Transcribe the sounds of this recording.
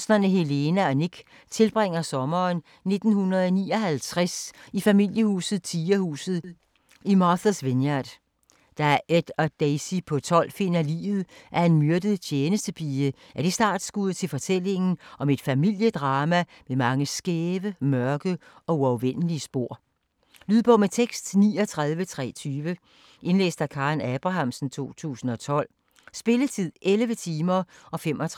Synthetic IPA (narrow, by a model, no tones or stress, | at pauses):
snɐnəɦe̝le̝næɒneɡ̥ | t͡sʰe̝lb̥ʁeŋ̰ɐsɒ̽mɐːn | ne̝d̥n̩hunʁɐð̩ˠɒnḭːɒ̽hælt͡sʰʁasifæmil̰jəhṵːsð̞̩ˠt͡sʰiːɐhṵːsð̞̩ˠ | imɑsæsʋe̝njɑd̥ | d̥ɑæɐed̥ɒd̥eɪsipʰɒ̽t͡sʰɒ̽l̰fe̝n̰ælḭːʋð̩ˠʔæɐe̝nmyɐd̥əð̩ˠt͡ɕʰjeːnəsd̥əb̥ʰiːə | ʔæd̥isd̥ɑ̈ːd̥sɡ̥uð̰ˠt͡sʰe̝lfɒ̽t͡sʰel̰e̝ŋn̩ʔɒ̽me̝d̥fæmil̰jəd̥ʁɑ̈ːmæ | memɑ̈ŋəsɡ̥eːʋəmɶɐɡ̥əɒ̽uɒʊʋen̰əliəsb̥o̝ɐ̰ | lyːð̰ˠb̥ɒ̽met͡sʰeɡ̥sd̥niːɒt͡sʰʁaðˠʋət͡sʰʁɛ̰ːt͡sʰyːʋə | ʔe̝nlḛːsd̥ækʰɑ̈ːnæb̥ʁɑ̈ɦɑ̈msn̩t͡sʰo̝̰ːt͡sʰṵːsn̩ɒ̽t͡sʰɒ̽l̰ | sb̥e̝lət͡sʰið̞̰ˠʔelʋət͡sʰiːmɐʔɒ̽fem̰ɒ̽t͡sʰʁ